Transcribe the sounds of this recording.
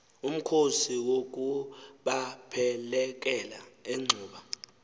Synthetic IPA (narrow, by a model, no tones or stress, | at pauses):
um̩kʰosiwok̬ʼuɓapʰɛlɛk̬ʼɛlaeŋ͡ǀʱuːɓa